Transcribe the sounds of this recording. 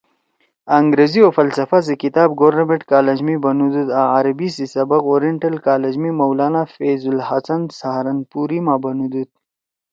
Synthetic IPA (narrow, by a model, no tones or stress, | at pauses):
ɐŋɡɾeziofɐlsɐfazikit̪aːbɡoɾnɐmeʈkaːlɐd͡ʑmibɐnud̪ud̪aaɾɐbisisɐbɐqoːɾiɳʈɐlkaːlɐd͡ʑmimɐwlaːnafeːzulhɐsɐnsaɦɾɐnpuɾimaːbɐnud̪ud̪̚